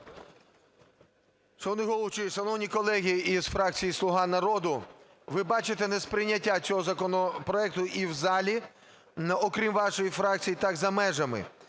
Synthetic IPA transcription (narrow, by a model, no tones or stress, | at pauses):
t͡ʃɔʋɔnɪɦɔlˠɔt͡ʃɪjsɐnɔwnʲikɔlˠɛɦʲiizfɾɑk̚t͡sʲijislˠʊɦɑnɐɾɔd̪ʊ | ʋɪbɑt͡ʃet̪enespɾɪjnʲːɐtʲːat͡sʲɔɦɔzɐkɔnɔpɾɔɛk̚t̪ʊʔiwzɑlʲi | nɔkɾʲimʋɑʃɔjifɾɑk̚t͡sʲijit̪ɑɡzɐmɛʒɐmɪ̰